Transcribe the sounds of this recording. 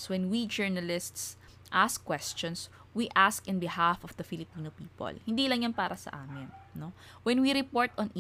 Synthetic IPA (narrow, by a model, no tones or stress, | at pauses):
swɛ̃nwid͡ʒɛɹnɐlɪst̪s | ʔaskːwɛst͡ʃɔ̃ns | wiʔaskɪ̃nbɪhafɔfd̪ɐfɪlɪpiːnopiːpo̰lhɪnd̪iːlɐŋjɐnpaːɾɐsɐ̰ʔaːmɪnno | wɛnwiɾɪpoɹt̪ʔɔ̃nʔ